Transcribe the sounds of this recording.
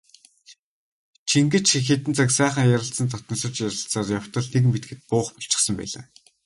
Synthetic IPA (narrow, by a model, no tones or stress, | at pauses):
t͡ɕʰiŋɡɘ̆t͡ɕxet̪ɘ̆nt͡saksæːχə̆ŋjaɾə̆ɬt͡sə̆nt̪ʰɔt̪nɞ̆sə̆t͡ɕjaɾə̆ɬt͡saːrjaw̥t̪ɞ̆ɮnekmet̪̚ɡɘ̆t̪̚pʊːχpɔ̥ɬt͡ɕɪ̆χsə̆mpæ̰ːɮa̰ː